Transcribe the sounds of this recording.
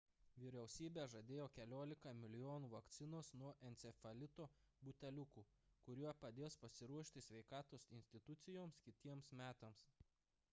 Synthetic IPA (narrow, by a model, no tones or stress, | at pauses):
ʋʲɪɾʲɛʊsʲiːbʲeːʒɐd̪ʲeːjoːkʲɛlʲoːlʲɪkɐmʲɪlʲɪjoːnuːʋɐkt̪sʲɪnoːsnuɔʔɛnʲt̪sʲɛfɐlʲɪt̪oː | bʊt̪ʲɛlʲʊkuːkʊɾʲuɔpɐd̪ʲeːspɐsʲɪɾuɔʃʲt̪ʲɪsʲʋʲɛɪkɑːt̪oːsɪnʲsʲt̪ʲɪt̪ʊt̪sʲɪjoːmskʲɪt̪ʲiɛmsmʲæːt̪ɐms